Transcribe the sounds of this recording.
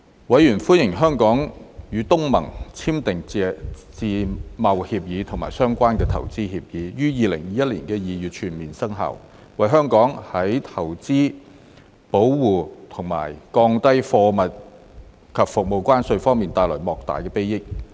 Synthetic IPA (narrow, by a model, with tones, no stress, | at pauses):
wɐ˨˥jjyː˨˩nfuː˥njɪ˨˩ŋɦœː˥ŋkɔː˨˥ŋjyː˨˧t̪ʊ˥ŋmɐ̰˨˩ŋt͡sʰiː˥mt̪ɪ˨ŋɛ˧t͡siː˧mɐ˨whiː˧p̚jiː˨˥t̪ʰʊ˨˩ŋma̰ː˨˩jsœː˥ŋkʷaː˥nkɛː˧t̪ʰɐ̰˨˩wt͡siː˥hiː˧p̚jiː˨˥jyː˥jiː˨˧lɪ˨˩ŋjiː˨˥jɐ˥t̚liː˨˩nkɛː˧jiː˨jyː˨t̚t͡ʃʰyː˨˩nmiː˨˩nsɐ˥ŋɦɐ̰˨˩w | wɐ˨jɦœː˥ŋkɔː˨˥ŋhɐ˨˥jt̪ʰɐ˨˩wt͡siː˥ | po˨˥wwuː˨˩t̪ʰʊ˨˩ŋma̰ː˨˩jkɔː˧ŋt̪ɐ˥jfɔː˧mɐ˨t̚ | kʰɐ˨p̚fʊ˨k̚mo˨˧wkʷaː˥nsɵ˧ɥfɔː˥ŋmiː˨˩nt̪aː˧jlɔ̰ː˨˩mɔː˨k̚t̪a̰ː˨jkɛː˧pe˥jɪ˥k̚